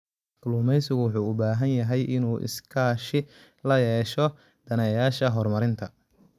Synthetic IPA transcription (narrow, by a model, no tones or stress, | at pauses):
kʊlʊːmɛjsɪɣʊwɑħuːʊbaːɦɐnjɐɦɛjʔɪnuːʔɪ̰skʰaːʃɪ | lɐjɛːʃɔ | d̪̥ɐnɐjaːʃɐɦɔrmɐɾɪnt̪ʰɐ